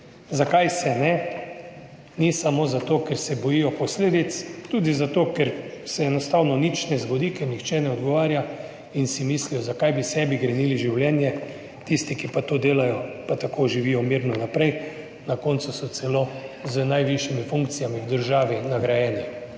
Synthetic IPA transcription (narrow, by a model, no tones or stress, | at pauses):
zakajsɛnɛ | nisamozat̪oːkɛɾsɛbɔjijɔpɔsleːd̪it̪st̪uːd̪izat̪oːkɛɾsɛɛnɔst̪awnɔnit͡ʃnɛzɡɔd̪ikɛɾnixt͡ʃɛnɛɔd̪ɡɔʋaːɾja | insimislijɔzakajbisɛbiɡɾɛniliʒiwljɛːnjɛ | t̪ist̪ikipat̪od̪eːlajɔpat̪akoʒiʋijɔmiɾnɔnapɾɛj | nakɔnt̪susɔt̪sɛlozənajʋiʃimifuŋkt̪sijamiwd̪əɾʒaːʋinaɡɾajɛːni